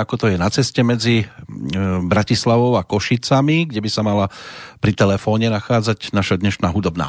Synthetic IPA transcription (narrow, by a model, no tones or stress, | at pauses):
akɔt̪ɔjɛnat͡sɛscɛmɛd͡zi | bɾacislaʋɔʊakɔʃit͡samiɡɟɛbisamalapɾit̪ɛlɛfɔːɲɛnaxaːd͡zaɟnaʃad̪ɲɛʃnaːɦud̪ɔbna̰ː